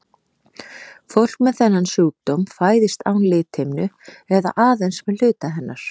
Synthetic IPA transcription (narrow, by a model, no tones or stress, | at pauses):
fowl̥kmɛðθɛnːansuːp̚t̪ɔmfaːjðɪst̪a̰ːwnlɪːt̪hɪmnʏ | ɛða̰ʔaːðejnsmɛðlʏːt̪aɦɛnːaɾ̥